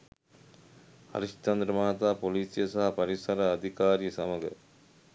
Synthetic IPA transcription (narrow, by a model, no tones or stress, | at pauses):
ɐ̰ɾɪʂt͡ʃɐnd̪ɾɐmaːt̪aːpoliːsɪjɐsɐɦɐpɐɾɪsɐɾɐːd̪ʱikaːɾijɐsɐmɐɡɐ̰